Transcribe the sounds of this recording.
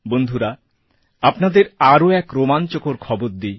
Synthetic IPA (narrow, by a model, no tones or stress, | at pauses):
bond̪ʱuɾa | apnad̪eɾaɾoɛkɾomant͡ɕokoɾkʰɔboɾd̪i